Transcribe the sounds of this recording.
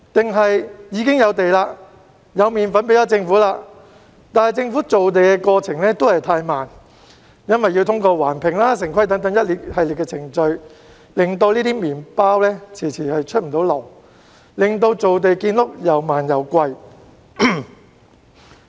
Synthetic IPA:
t̪ɪ˨ŋɦɐ˨jjiː˨˧kɪ˥ŋjɐ˨˧wt̪e˨jlaː˧ | jɐ˨˧wmiː˨˩nfɐ˨˥npe˨˥jɐ˨˥t͡sɪ˧ŋfuː˨˥laː˧ | t̪aː˨˩jt͡sɪ˧ŋfuː˨˥t͡so˨wt̪̬e˨jkɛ˧kɔː˧t͡sʰɪ˨˩ŋlɛː˥t̪o˥whɐ˨jt̪ʰaː˧jmaː˨˩n | jɐ˥nwɐ˨jːi˧wt̪ʰʊ˥ŋkɔː˧waː˨˩npʰɪ˨˩ŋlaː˥s̬ɪ˨˩ŋkʰwɐ˥jt̪ɐ˨˥ŋt̪̬ɐ˨˥ŋjɐ˥t̚liː˨˥t̚hɐ˨jlɪ˨˩kːɛː˧t͡sʰɪ˨˩ŋt͡ʃɵ˧ɥ | lɪ˨ŋt̪o˧wliː˥t̪iː˥miː˨˩npaː˥wlɛː˥t͡sʰiː˨˩t͡sʰiː˨˩hɐ˨jt͡ʃʰt̚m̩˨˩t̪o˨˥wlɔ˨˩w | lɪ˨˩ŋt̪o˧wt͡so˨wt̪̬e˨jkiː˧nlʊ˥k̚jɐ˨˩wmaː˨˩njɐ˨˩wkʷwɐ˧j

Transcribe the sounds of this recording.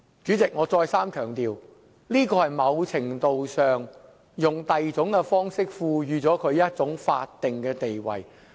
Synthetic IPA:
t͡ʃyː˨˥t͡sɪ˨k̚ŋɔː˨˧t͡sɔː˧jsaː˥mkʰœː˨˩ŋt̪iː˨˧w | liː˥kɔː˧hɐ˨jmɐ˨˧wt͡sʰɪ˨˩ŋt̪o˨wsœː˨ŋ | jʊ˨ŋt̪ɐ˨jt͡sʊ˨˥ŋkɛ˧fɔː˥ŋsɪ˥k̚fuː˨˧jyː˨˧t͡sɔː˨˥kʰɵ˨˧ɥjɐ˥t̚t͡sʊ˨˥ŋfa̰ː˧t̚t̪ɪ˨ŋkɛː˧t̪e˨jwɐ̰˨˩j

